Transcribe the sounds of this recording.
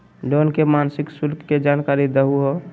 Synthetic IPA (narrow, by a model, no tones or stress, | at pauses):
d͡ʒoːnkemaːnsɪksʊlkʰkːed͡ʒaːnkaːɾid̪əɦuɦo